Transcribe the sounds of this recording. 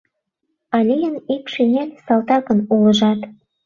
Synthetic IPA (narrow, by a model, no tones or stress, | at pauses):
ɑlʲejənikʃinʲelʲsɑlt̪ɑkə̆nulə̆ʒɑt̪